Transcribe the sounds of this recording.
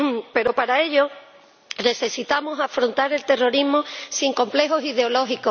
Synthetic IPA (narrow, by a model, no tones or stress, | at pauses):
pe̞ɾo̞paɾae̞ʎo̞ | ne̞θe̞sit̪amosafɾont̪aɾe̞lt̪e̞ro̞ɾiɦmosiŋko̞mple̞ɦo̞sið̞eo̞lo̞ɦiko